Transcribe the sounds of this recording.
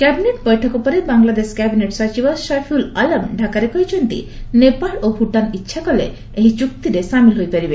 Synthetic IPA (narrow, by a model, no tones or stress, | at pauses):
kɛbineʈ̚bɔjʈʰɔkopɔɾebaŋlad̪eʃkɛbineʈsɔt͡ʃibɔʃafʰulalamɖʱakaɾekɔjt͡ʃɔnt̪ḭnepalobʱuʈanitːʃʰakɔlḛ | eɦit͡ʃuk̚t̪iɾeʃamilɦojpeɾibe